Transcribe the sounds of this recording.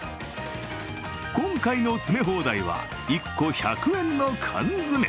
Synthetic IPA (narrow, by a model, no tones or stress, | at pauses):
kõ̞ŋkaino̞t͡sɨme̞ɦo̞ːd̪aiβa̰ | ikːo̞çakɯ̟ẽ̞nːo̞kʰã̰nd͡zɨme